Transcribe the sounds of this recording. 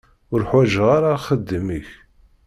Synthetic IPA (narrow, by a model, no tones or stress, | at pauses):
ʊɾħwæʒʁaɾaχəd̪ːəməç